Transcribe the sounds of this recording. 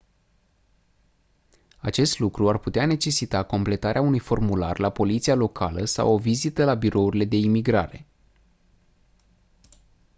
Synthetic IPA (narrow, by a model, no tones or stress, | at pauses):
at͡ʃe̞st̪lukɾuarput̪eane̞t͡ʃe̞sit̪ako̞mple̞t̪aɾeaunujfo̞rmula̰rlapo̞lit̪sialo̞kʰaləsa̰wo̞vizit̪əlabiɾʔo̞uɾile̞d̪e̞imiɡɾa̰ɾe̞